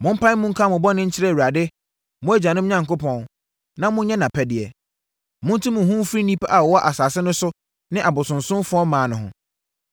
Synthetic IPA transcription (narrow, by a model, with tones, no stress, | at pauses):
mʊ̃˦m̩˦pã˦n˦mʊ̃˦ŋ̩˦kʰa˦˨mʊ̃˨bɔ˦nɪ̃˦ɲ̩˦t͡ɕʰɪ˦ɾɛ˦˨wu˨ɾa˨dɪ˦ | mʊ̃˦æ˦d͡ʑa˨nʊ̃˦m̩˦ɲã˨ŋ˨kʊ˦pʰɔ̃˦n | nã˦mʊ̃˦n˦ɲɛ˦nã˨pʰɛ˨dɪ˨ɛ˨ | mʊ̃˦n̩˦tʰũ˦mʊ̃˨ɦũ˦m˦fɾi˦nĩ˦pʰa˦ʔa˨wɔ˨wɔ˦ʔa˨saː˨sɪ˦nʊ̃˦sʊ˦ | nɪ̃˦ʔa˨bʊ˨sʊ̃˨nsʊ̃˦mfʊ˦ɔ˦m˦mãː˨nʊ̃˨ɦʊ̰̃˨